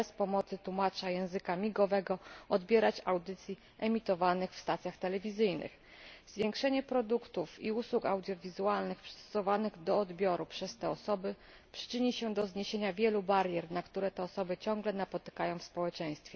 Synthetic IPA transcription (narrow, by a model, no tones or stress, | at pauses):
ɛspɔmɔt̪sɘt̪wumat͡ʂajɛ̃w̃zɘkamʲiɡɔvɛɡɔɔd̪bʲjɛɾat͡ɕawd̪ɘt̪sʲji | ʔɛmʲit̪ɔvanɘxfst̪at̪sʲjaxt̪ɛlɛvʲizɘjnɘ̰x | zvʲjẽŋkʂɛɲɛpɾɔd̪ukt̪ufiuswuka̰wd̪ʲjɔvʲizualnɘxpʂɛ̥st̪ɔ̥sɔvanɘɣd̪ɔːd̪bʲjɔɾupʂɛst̪ɛɔsɔbɘ | pʂɘ̥t͡ʂɘɲiɕɛd̪ɔzɲeɕeɲavʲjɛlubaɾjɛɾnakt̪uɾɛt̪ɛɔsɔbɘt͡ɕɔ̃ŋɡlɛnapɔt̪ɘ̥kajɔ̃w̃fspɔwɛt͡ʂɛj̃st̪fʲjɛ